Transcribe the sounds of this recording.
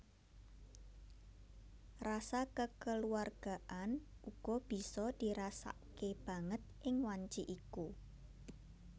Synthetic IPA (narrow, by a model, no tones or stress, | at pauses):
rasakəkəluarɡ̥a̤ʔan | ʔuɡ̥ɔb̥i̤sɔd̪̥i̤ɾasa̰keb̥a̤ŋət̪̚ʔɪŋwaɲt͡ʃiʔiku